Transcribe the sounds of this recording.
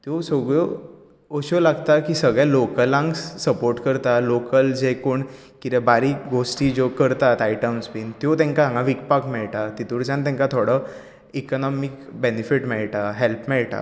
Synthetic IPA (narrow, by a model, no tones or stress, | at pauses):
t̪josoɡɭo | oɕolaɡt̪akiːsəɡɭjalokəlãŋɡssəpoɾʈkəɾt̪alokəld͡ʑekoɳ | kit̪ɛbaɾiːɡosʈiːd͡ʑokəɾt̪at̪ajʈəmspint̪jot̪ɛ̃ŋkaãŋɡãʋik̚pakmɛɭʈat̪it̪uɽt͡sãnt̪ɛ̃ŋkat̪ʰoɽə | ikɔnɔmikbenifiʈmɛɭʈaɦelpʰmɛɭʈa̰